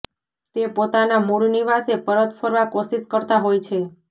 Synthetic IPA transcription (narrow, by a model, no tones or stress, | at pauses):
t̪epot̪anamuɾniʋasepəɾət̪fʰəɾʋakoʃiʃkəɾt̪aɦojt͡ʃʰe